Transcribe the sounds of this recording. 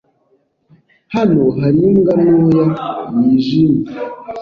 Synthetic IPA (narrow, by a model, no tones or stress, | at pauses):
hanoɦaɾiŋɡanojamiʒimi